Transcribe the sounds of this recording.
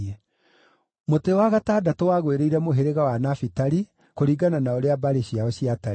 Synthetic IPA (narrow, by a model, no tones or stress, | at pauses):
ɛ | motewaɣataːdatowaɣweɾeiɾɛmoɦeɾeɣawanafitaɾi | koɾiɡananaoɾeabaɾeɕiaɔɕiata